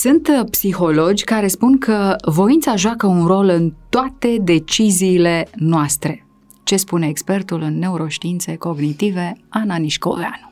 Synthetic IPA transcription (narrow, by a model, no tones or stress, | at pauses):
sɨnt̪psixo̞lo̞d͡ʒʲkaɾe̞spunkʰəvo̞int̪saʒoakəunro̞lɨnt̪oat̪e̞d̪e̞t͡ʃiziːle̞noast̪ɾe̞ | t͡ʃe̞spune̞ːkspe̞rt̪ulɨnːe̞uɾo̞ʃt̪iint̪se̞ko̞ɡnit̪ive̞ananiʃko̞̰vea̰nu